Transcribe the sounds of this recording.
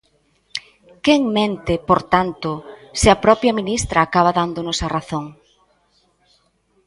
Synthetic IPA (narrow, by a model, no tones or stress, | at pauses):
keŋmẽnt̪ɪpoɾt̪ant̪ʊsɪapɾɔpjaminist̪ɾaːkaβ̞aðand̪ʊnʊsaraθoŋ